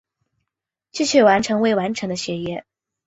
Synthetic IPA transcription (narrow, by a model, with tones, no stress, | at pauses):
t͡ɕy˥˧ɕʰɥɛ˥˩wa˧˥nʈ͡ʂʰɤ˧˥ŋwe˥˩ɪwa˧˥nʈ͡ʂʰɤ˧˥ŋd̪ə˧ɕɥɛ˧˥jɛ˥